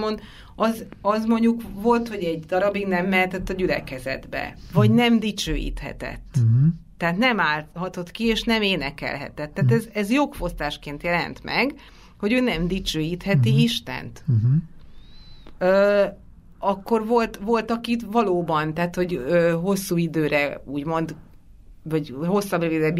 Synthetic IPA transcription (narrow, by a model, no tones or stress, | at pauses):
mond̪ | ɒzɒzmo̞ɲɟukvo̞lt̪ho̞ɟɛɟd̪ɒɾɒbiɡnɛmːɛɦɛt̪ɛt̪ːɒɟylɛ̰kɛzɛ̰d̪bɛ̰vɒɟnɛmd̪it͡ʃøːjḭt̪hɛ̰t̪ɛ̰t̪ː | ɛɦaːt̪nɛmaːlhɒt̪o̞t̪kieːʃnɛmeːnɛkɛ̰lɦɛ̰t̪ɛt̪ːaːt̪ɛzɛzjo̞kfo̞st̪aːʃkeːnt̪jɛlɛ̰nt̪mɛ̰ɡ | ho̞ɟøːnɛmd̪it͡ʃøːjiːt̪hɛt̪iiʃt̪ɛ̰nt̪ | øː | ɒkːo̞rvo̞lt̪vo̞lt̪ɒkit̪vɒloːbɒnt̪ɛaɦaːt̪ho̞ɟøːɦo̞sːuːid̪øːɾɛuːɟmo̞nd̪ | vɒɟho̞sːɒbrevid̪ɛb